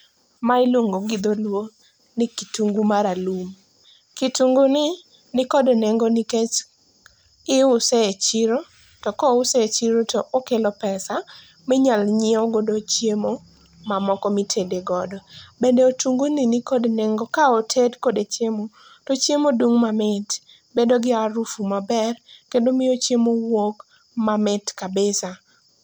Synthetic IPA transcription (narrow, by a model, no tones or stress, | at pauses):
maɪlwoŋɡoɡɪd̪olwo | nɪkituŋɡumaɾalum | kituŋɡunɪ | nɪkɔdoneŋɡonɪket͡ʃ | ɪʊseet͡ʃiɾo | tɔkɔʊseet͡ʃiɾotɔʔokelɔpɛsa | mɪɲalɲɪoɡodot͡ʃjemo | mamɔkɔmitʰedeɡɔdɔbendɛotuŋɡoninikodneŋɡɔkaotʰedkodet͡ʃjemo | tɔt͡ʃjemoduŋmamɪt | bedoɡɪaɾufumabɛrkendomɪot͡ʃjemowok | mamɪtkabesa